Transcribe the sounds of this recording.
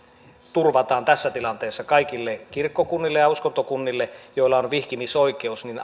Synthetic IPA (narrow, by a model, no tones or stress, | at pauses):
t̪urʋɑt̪ɑːnt̪æsːæt̪ilɑnt̪eːsːɑkɑikilːekirkːokunːilːejɑuskont̪okunːilːejoilːˑɑonʋihkimisoike̞usnin